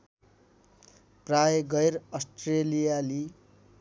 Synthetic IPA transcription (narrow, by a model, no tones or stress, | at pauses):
prajɡʌjɾʌsʈrelijali